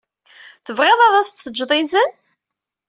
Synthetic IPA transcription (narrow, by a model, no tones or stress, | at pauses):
θəvʁeðˤɑðˤɑst̪θəd͡ʒðˤɪzən